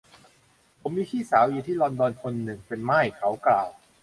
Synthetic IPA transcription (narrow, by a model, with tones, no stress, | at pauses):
pʰo˩˦mːiː˧k̪ʰiː˥˩saː˩˦wjiː˧˩t̪ʰiː˥˩lɔː˧ndɔː˧nkʰo˧nːɯ˨˩ŋpe˧nmaː˥˩jkʰa˦˥wklaː˧˩w